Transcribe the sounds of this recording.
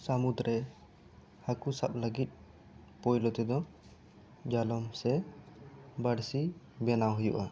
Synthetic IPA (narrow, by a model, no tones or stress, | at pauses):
səmud̪ɾɛ | hakusaɓləɡit̪̚ˀ | pɔjlɔt̪ɛd̪ɔ | d͡ʒalɔmsɛ | bəɽsi | bɛnawɦujṵʔa